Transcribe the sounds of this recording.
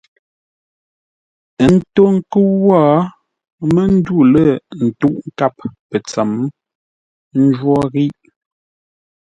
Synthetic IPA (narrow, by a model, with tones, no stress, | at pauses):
n̩˦to˦ŋ̩˦kə˦wɔ˦˨ | mə˦n̩˦du˦˨lə˦˨n̩˨tu˦ʔŋ̩˦ka˦˨p̚pə˨t͡sɛ˨m | n˦d͡ʒwɔ˦ɣi˦ʔ